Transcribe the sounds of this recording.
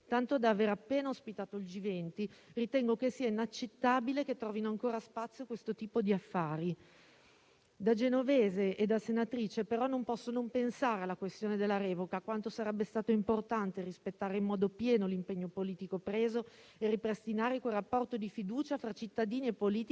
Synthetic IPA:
t̪ant̪od̪aveːɾapːeːnaospit̪aːt̪oild͡ʒivɛnt̪irit̪ɛŋɡokesiːainat͡ʃːet̪ːaːbileket̪ːɾɔːvinoaŋkoːɾaspat̪sːjokwest̪ot̪iːpod̪iafːaːɾi | d̪ad͡ʒenoveːzeed̪asenat̪ɾiːt͡ʃepeɾɔnompɔsːonompensaːɾealːakwest̪joːned̪elːaɾɛːvokakwant̪osaɾɛbːest̪aːt̪oimport̪ant̪erispet̪ːaːɾeimːɔːd̪opjɛːnolimpeɲːopoliːt̪ikopɾeːzo | eripɾest̪inaːɾekwerapːɔrt̪od̪ifid̪uːt͡ʃafɾat͡ʃit̪ːad̪iːniepːoliːt̪i

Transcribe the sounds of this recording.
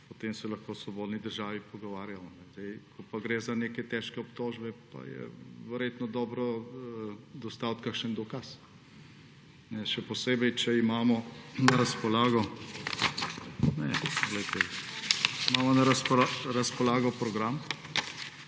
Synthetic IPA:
pɔt̪eːmsɛlɐxkoːsʋɔboːd̪nid̪əɾʒaːʋipɔɡɔʋaːɾjajɔnɛzd̪ɛjkʰɔpaɡɾeːzanekɛt̪ɛʃkɛɔpt̪oʒbɛpa̰jɛ̰ʋəɾjet̪nɔd̪ɔːbɾɔ | d̪ɔst̪awt̪kakʃənd̪ɔkas | nɛʃɛpɔseːbɛjt͡ʃɛimaːmɔnɐɾɐspɔlaːɡɔ | nɛ̰poɡlɛjt̪ɛ | imaːmɔnɐɾɐspɔaɾɐspɔlaːɡɔpɾɔɡɾam

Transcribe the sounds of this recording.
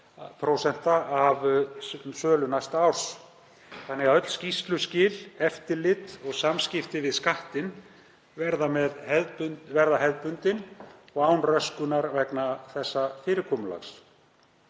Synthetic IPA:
pʰɾowsɛn̥t̪aav | sœːlʏnajst̪awɾ̥s | θanːɛɣaœt̪l̥scist̪lʏscɪːlɛft̪ɪlɪt̪ɔɣsamscɪft̪ɪvɪðskaht̪ɪn | vɛɾðamɛðhɛðpʏvɛɾðaɦɛðpʏnt̪ɪnɔɣaːwnrœskʏnaɾvɛknaθɛsːafɪːɾɪkʰɔmʏla̰xs

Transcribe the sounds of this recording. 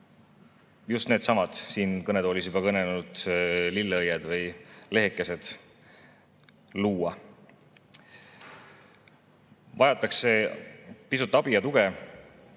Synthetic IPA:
just̪ne̞ːd̪sɑmɑd̪̥siːnkɤne̞d̪oːlʲis̬jub̥ɑkɤnelnud̪̥lilːɤjed̪̥vɤjle̞ɦekːˑe̞se̞d̪̥ | luːɑ | vɑjɑt̪ːˑɑkse̞pisut̪ːˑɑb̥ijɑt̪uɡ̥e̞

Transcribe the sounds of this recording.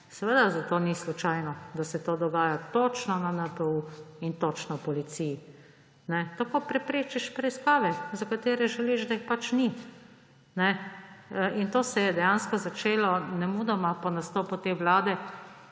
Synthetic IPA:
sɛʋəd̪azat̪oːnislut͡ʃajnɔd̪asɛt̪oːd̪ɔɡaːjat̪ot͡ʃnɔnanɛpəuint̪ot͡ʃnɔpɔlit̪siji | nɛt̪akoːpɾɛpɾeːt͡ʃiʃpɾɛiskaːʋɛzakat̪eːɾɛʒɛliʒd̪aixpat͡ʃni | nɛ | ʔint̪oːsɛjɛd̪ɛjanskɔzat͡ʃeːlɔnɛmud̪ɔmapɔnast̪oːput̪eːʋlaːd̪ɛ

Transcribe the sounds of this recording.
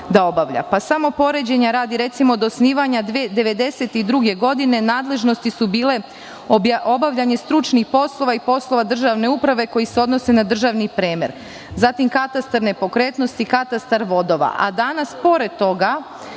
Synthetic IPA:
d̪ao̞baʋʎa̰pasamo̞po̞ɾe̞d͡ʑe̞ɲaɾaːd̪iɾe̞t̪simoːd̪osniːʋaɲad̪ed̪e̞ʋe̞d̪e̞se̞t̪id̪ɾuɡe̞ɡo̞d̪ine̞naːd̪le̞ʒno̞st̪isubiːle̞ | aʔo̞baʋʎʲaɲe̞st̪ɾut͡ʃnixpo̞slˠo̞ʋaipo̞slˠo̞ʋad̪r̩ʒaʋne̞upɾaʋe̞ko̞jise̞o̞d̪no̞se̞nad̪r̩ʒaʋnipɾeːmḛɾ | zat̪imkat̪ast̪aɾne̞po̞kɾe̞ːt̪no̞st̪ikat̪ast̪aɾʋo̞d̪o̞ʋa̰ʔa̰d̪anaspo̞ɾe̞d̪̚t̪o̞ɡa

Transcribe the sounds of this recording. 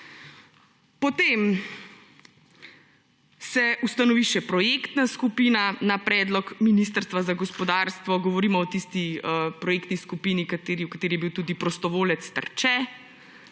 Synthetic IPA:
pɔt̪em | sɛʔust̪anɔʋiʃɛpɾɔjekt̪naskupiːnanapɾɛːd̪lɔkminist̪əɾst̪ʋazaɡɔspɔd̪aɾst̪ʋɔɡɔʋɔɾiːmɔɔt̪ist̪iəpɾɔjekt̪niskupinikat̪eːɾiwkat̪eːɾijɛbiwt̪uːd̪ipɾɔst̪ɔʋoːlɛt̪st̪ə̰ɾt͡ʃɛ

